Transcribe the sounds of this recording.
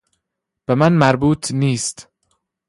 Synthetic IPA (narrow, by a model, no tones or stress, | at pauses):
b̥emænmæɾbuːt̪ʰniːst̪